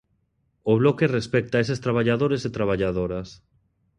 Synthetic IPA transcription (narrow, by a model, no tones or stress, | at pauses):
oβ̞lɔkerespɛk̚t̪aesest̪ɾaβ̞aʎaðoɾeset̪ɾaβ̞aʎaðoɾas